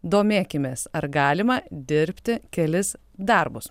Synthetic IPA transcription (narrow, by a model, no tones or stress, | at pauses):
d̪oːmʲeːkʲɪmʲeːsɐɾɡɑːlʲɪmɐd̪ʲɪɾʲpʲt̪ʲɪkʲɛlʲɪs | d̪ɐɾbʊs